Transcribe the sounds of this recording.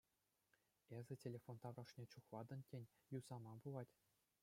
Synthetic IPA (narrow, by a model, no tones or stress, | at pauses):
ezʲɘ̆tʲelʲefont̪ɑʋrɑʂnʲet͡ɕuχlˠɑd̪ɤ̆ntʲenʲjuzɑmɑbulˠɑtʲ